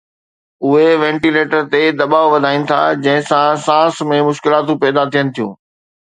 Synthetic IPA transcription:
ʊɦeʋɛ̃ːɳʈileːʈəɾt̪ed̪ɐɓaːoʋɐd̪ʱaːĩnɪ̆t̪ʰa̰d͡ʑɐ̃ɦɪ̃sãsãːsmẽmʊʃkɪlaːt̪ũpɛːd̪at̪ʰijənɪ̆t̪ʰijṵ̃ː

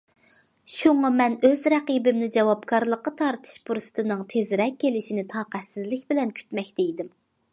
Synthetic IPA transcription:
ʃuŋɑmɛnøzɾɛqibɪmnɪd͡ʒɛwɑbkʰɑɾlˠəqːɑt̪ʰɑɾt̪ʰɨ̥ʃpʰuɾsɨ̥t̪ʰɨnɨŋt̪ʰezɾɛkʲːelɪʃinɪt̪ʰɑːqæt̪sɪzlɪkʲbɪlɛnkʲʰy̥t̪mɛkʲd̪ejd̪ɪm

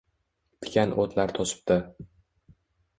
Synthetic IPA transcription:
t̪ʰɪ̥kʲanʔot̪ʰlaɾt̪ʰɒsɪ̥p̚d̪ɪ

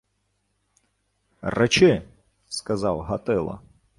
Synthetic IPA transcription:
rɛt͡ʃɪ | skɐzɑwɦɐt̪ɪlˠɐ̰

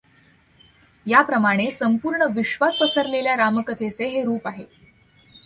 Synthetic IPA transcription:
japɾəmaɽ̃esəmpuːɾɳəʋiɕʋat̪̚pəsəɾleljaɾaməkət̪ʰeseɦeɾuːpaɦe

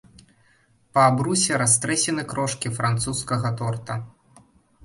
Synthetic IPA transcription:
pɐːbɾusʲɛɾast̪ɾɛsʲɛnɨkɾɔʂkʲifɾant̪suskɐɣɐt̪ɔrt̪ɐ

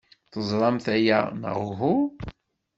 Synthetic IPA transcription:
θəzˤɾˤɑmθæjænə̰ʁuɦu

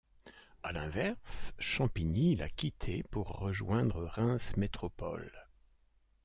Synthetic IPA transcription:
alɛ̃vɛʁsʃɑ̃pinila̰kʲit̪ʰepuʁːəʒwɛ̃d̪ʁəʁɛ̃smet̪χɔpɔ̰l

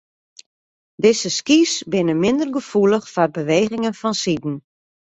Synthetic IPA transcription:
dɪzəskisbɪnəmɪndərɡəfuləxfɔr̚bəʋeːɣɪŋənfɔnsidn̩

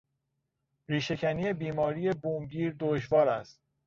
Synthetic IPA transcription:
ɾiːʃe̞cʰæniːe̞biːmɒːɾije̞buːmɟiːɾd̪oʃvɒːɾæst̪

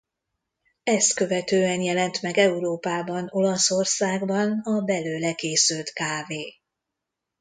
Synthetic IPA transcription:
ɛst̪kø̞vɛt̪øːɛnjɛlɛnt̪mɛɡɛuɾoːpaːbɒno̞lɒso̞rsaːɡbɒnɒbɛløːlɛkeːsylt̪kaːveː

